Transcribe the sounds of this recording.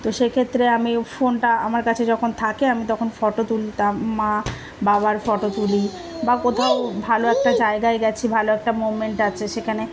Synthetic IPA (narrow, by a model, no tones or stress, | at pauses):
t̪oʃekʰet̪ːɾeamifonʈaa̰maɾkat͡ɕʰed͡ʑɔkʰont̪ʰakeamit̪ɔkʰonfɔʈot̪ulit̪amːa | baβaɾfɔʈot̪uli | bakot̪ʰaobʱaloɛk̚ʈad͡ʑaeɡaeɡɛt͡ɕʰibʱaloɛk̚ʈamomeɳʈat͡ɕʰeʃekʰane